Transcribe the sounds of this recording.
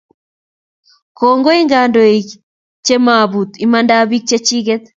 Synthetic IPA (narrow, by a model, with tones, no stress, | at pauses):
kɔŋɡɔ˦e˦ŋɡa˨ndɔ˨e˨ | t͡ʃe˦ma˨βu˨t̪i˦mandaβi˦k̚t͡ʃe˦t͡ʃi˦ɣɛt̪